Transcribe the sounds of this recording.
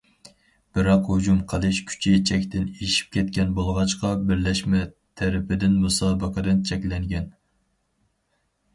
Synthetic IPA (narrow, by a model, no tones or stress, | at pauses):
b̥ɪɾɑqhod͡ʒumqʰəlˠɨʃkʲʰy̥t͡ʃʰit͡ʃʰɛkʲt̪ɪneʃi̥p̚kʲɛt̪̚kʲɛnbolˠʁɑt͡ʃqɑbɪɾlɛʃmɛ | t̪ʰɛɾɪpɪd̪ɪnmusɑːbəqʰəd̪ɨnt͡ʃʰɛkʲlɛŋɡʲɛn